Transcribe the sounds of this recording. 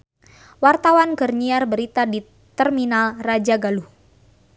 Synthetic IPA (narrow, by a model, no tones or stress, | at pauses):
wart̪awankərɲiarbəɾit̪adi | t̪ərminalrad͡ʒaɡaluh